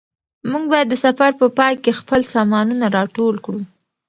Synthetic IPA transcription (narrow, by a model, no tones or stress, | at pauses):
muɡ̚bɑjad̪ːəsafaɾpəpɑjkexpəlsɑmɑnunaɾɑʈolkɽu